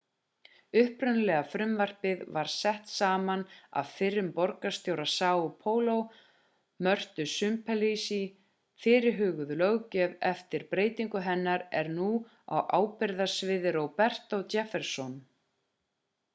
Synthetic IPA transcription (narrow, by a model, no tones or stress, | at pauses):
ʏhpɾʏnlɛɣafɾʏmvar̥pɪðvaɾ̥sɛht̪saːmana̰ðfɪrːʏmpɔɾkast̪joːwɾasaːwpʰoːwlow | mœr̥t̪ʏsʏmpʰɛlisi | fɪːɾɪɾɦʏːɣʏðʏlœɣcɛvɛft̪ɪɾpɾeːjt̪iŋkʏɦɛnːaɾɛɾnu | a̰wʔaːwpɪɾðasvɪːðɪɾowpɛr̥t̪ot̪ɛfɛɾ̥sɔn